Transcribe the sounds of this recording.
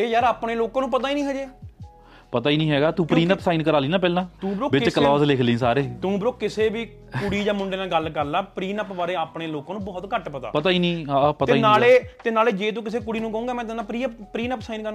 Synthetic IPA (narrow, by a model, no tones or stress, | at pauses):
eːjaːɾaːpɳeːloːkãːnũːpət̪aːiːnĩːɦɛːd͡ʒeː | pət̪aːiːnĩːɦɛːɡaːt̪ũːpɾiːnəpsaːiːnkəɾaːliːnãːpɛːlãːũːbɾoːbɪt͡ʃkəlɔːzlɪkʰlĩːsaːɾeːt̪ũːbɾoːkkɪseːbiː | kʊɽiːd͡ʒãːmʊɳɖeːnãːɡəlkəɾlɛːpɾiːnəpbaːɾeːaːpɳeːloːkãːnũːbɔːt̪kəʈpət̪a̰ːpət̪aːiːnĩːɦaːpət̪eaːiːnaːleːt̪eːnaːleːd͡ʒeːt̪̬ũːk̬ɪseːk̬ʊɽiːnũːkəũːɡaːmɛ̃ːt̪ɪnːãːpɾiːəppɾiːnəpsaːinkəɾã